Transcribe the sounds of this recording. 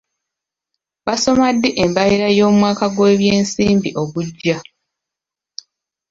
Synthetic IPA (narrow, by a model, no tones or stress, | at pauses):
βaso̞madːeʔembajiɾajo̞ːmwaːkaɡwe̞ːβje̞ːnsiːmbiʔo̞βuɟːa